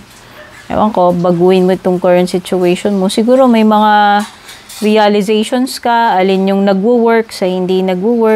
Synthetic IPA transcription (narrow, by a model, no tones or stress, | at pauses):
ʔɐ̰jwɐ̰ŋko̞bɐɡuːʔɪnmoʔɪt̪oŋkɐɹɐnt̪sɪt͡ʃʊɛjʃonmosɪɡuːɾo̞mɐjmɐŋa | ɾiɐlɪzɛjʃonskɐʔɐlɪnjʊŋnɐɡwuwɛɹksɐhɪnd̪inɐɡuwɛ